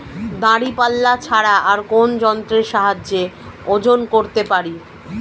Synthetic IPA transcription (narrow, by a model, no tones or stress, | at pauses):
d̪aɽipalːat͡ɕʰaɽaaɾkond͡ʑɔnt̪ɾeɾʃaɦad͡ʑːeod͡ʑonkoɾt̪epaɾi